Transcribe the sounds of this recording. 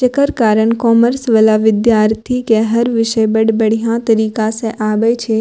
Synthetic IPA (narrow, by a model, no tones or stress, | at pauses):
t͡ʃɐkəɾkaːɾənkɔːməɾsʋəlaʋɪd̪jaːɾt̪ʰikeɦɐɾʋɪʃəbɐɽbɐɽ̤ijãt̪ɐɾiːkasẽʔaːbəjt͡ʃʰe